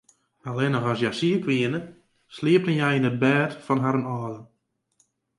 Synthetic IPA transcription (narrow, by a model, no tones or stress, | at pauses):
alɛnɔxɔsjasiəkʋiənə | slɪəp̚tənjɛjinət̚bɛːtfɔnɦaɾənɔːdə